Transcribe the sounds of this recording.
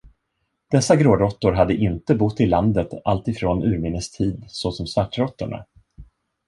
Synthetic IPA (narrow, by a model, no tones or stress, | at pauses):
d̪̥ɛsːaɡɾoːɾɾɔt̪ːʊɾɦad̪ːəʔɪnt̪əbʊt̪ːɪlːand̪ət̪alt̪ɪfɾoːnʉ̟ːɾmɪnːəst̪ʰiːd̪sɔsɔmsvaʈːɾɔt̪ːʊɳa̰